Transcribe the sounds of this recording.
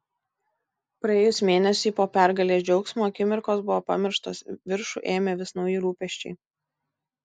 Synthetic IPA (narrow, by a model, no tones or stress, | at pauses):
pɾɐeːjʊsmʲeːnʲɛsʲiːpoːpʲæˑɾɡɐlʲeːsd͡ʒʲɛʊksmoːɐkʲɪmʲɪɾkoːsbʊʋoːpɐmʲɪɾʃt̪oːsʋʲɪɾʃṵˑʔeːmʲɛʋʲɪsnɒʊjɪɾuːpʲɛʃʲt͡ʃʲɛɪ